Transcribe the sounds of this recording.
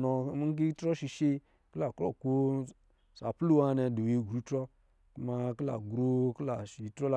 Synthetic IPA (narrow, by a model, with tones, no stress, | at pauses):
nɔ˨˦k̬i˦tɾɔ˦ʃi˧ʃe˦ | kla˨kɾɔ̰˦˨ko˦ | sa˨plu˦wa˧nɛ˧du˨e˨ɡɾu˨˦tɾɔ˦ | ku˦ma˧kla̰˨ɡɾo˦kla˨ʃi˨tɾɔ˦la˨